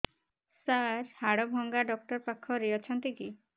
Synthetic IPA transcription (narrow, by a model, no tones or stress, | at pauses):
saɾhaɽɔbʱɔŋɡaɖɔk̚ʈɔɾpakʰːɔɾeɔt͡ʃʰɔnt̪iki